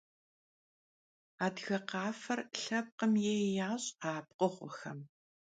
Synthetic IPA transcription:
aːdɣɐqɑːfɐrɬɐp̚qəmjeːjaːɕʼaːp̚qəʁʷʊxɐm

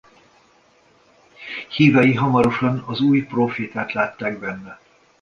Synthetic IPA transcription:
hiːɾɒjiɦɒmɒɾoʃɒnɒzuːjproːfeːt̪aːt̪laːt̪ːaːɡbɛnːɛ

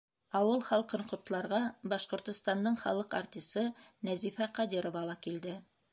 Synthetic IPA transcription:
ɑwɤlˠχɑlˠqɤɴqŏt̪lˠɑɾʁɑbɑʃqŏɾt̪ŏst̪ɑnd̪ɤɴχɑ̰lˠɤqa̰rt̪ʲisɤnæzifæqɑd̪iɾovɑlˠɑkild̪ɘ

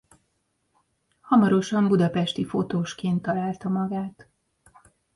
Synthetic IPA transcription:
hɒmɒɾo̞ʃɒmbud̪ɒpɛʃt̪ifo̞t̪oːʃkeːnt̪ːɒlaːlt̪ɒmɒɡaːt̪

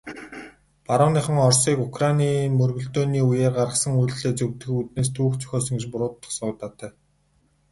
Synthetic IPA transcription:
paɾə̆ːniːχə̆ŋɔrsiːkukʰrajniːmɵrɣɵ̆ɮt̪oːniːujeːrɢaɾə̆χsə̆ŋujɮɮeːt͡sɵwt̪ɘ̆xut̪̚neːs̬t̪ʰuːxt͡sʰœ̥xʲɔːs̬ɞ̆ŋɡĕt͡ɕpʊɾʊːt̪ːə̥̆χsʊːt̪aːt̪ʰæː

